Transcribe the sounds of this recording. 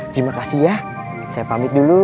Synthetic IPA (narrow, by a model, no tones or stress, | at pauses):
t̪ɾimakasihja | sajapamɪt̪̚dulu